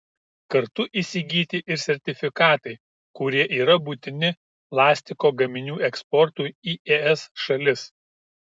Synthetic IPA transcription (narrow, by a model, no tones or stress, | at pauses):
kɐɾt̪ʊʔisʲɪɡʲiːt̪ʲɪʔɪɾsʲɛɾʲt̪ʲɪfʲɪkɑːt̪ɐɪ | kʊɾʲiɛʔiːɾɐbʊt̪ʲɪnʲɪ | plˠɑːsʲt̪ʲɪkoːɡɐmʲɪnʲuːɛkspɔɾt̪ʊiːʔɛːɛsʃɐlʲɪs